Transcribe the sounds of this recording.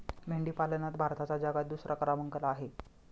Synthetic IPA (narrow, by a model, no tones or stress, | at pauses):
meɳɖiːpalənat̪bʱaɾt̪at͡sad͡zaɡat̪̚d̪usɾʔakəɾaməŋkəlaːɦe